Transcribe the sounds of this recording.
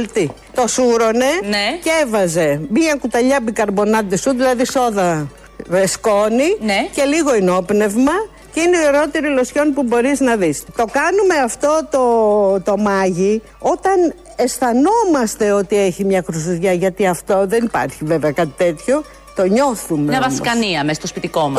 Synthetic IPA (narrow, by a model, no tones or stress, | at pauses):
lt̪i | t̪o̞suɾo̞ne̞cevɐze̞miɐkut̪ɐʎɐbikɐɾbo̞nɐd̪isuðilɐðiso̞ðɐ | vesko̞nince̞liɣo̞ino̞pne̞vmɐ | ceineiiɾo̞t̪eɾilosço̞npubo̞ɾiznɐðist̪o̞kɐnume̞ɐft̪o̞t̪o̞t̪o̞mɐʝi | o̞t̪ɐn | e̞sθɐno̞mɐst̪e̞ot̪ieçimɲɐkɾusiðʝɐʝɐt̪iɐft̪o̞ðe̞nipɐ̰ɾçive̞veɐkɐt̪i̥t̪e̞t̪ço̞ | t̪o̞ɲo̞θumeɐvɐsskɐniɐmest̪ospit̪iko̞mɐ